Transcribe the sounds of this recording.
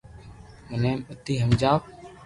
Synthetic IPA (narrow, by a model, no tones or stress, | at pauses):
məneːmət̪iːɦəmd͡ʒaːʋ